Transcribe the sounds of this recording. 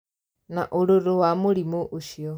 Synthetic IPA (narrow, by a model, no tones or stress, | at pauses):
naʔoɾoɾowamoɾimoʔoʃiɔ